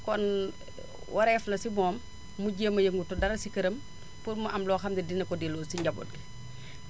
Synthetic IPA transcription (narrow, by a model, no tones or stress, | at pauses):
kɔn | wʔɐɾɛːflɐsibɔːmː | uɟeːmːɐjəŋɡutudɐɾɐsikəɾəm | puɾmɐʔɐmlɔːxɐmdidinɐkɔdilɔsiɲɟɐbɔ̰t̚ɡi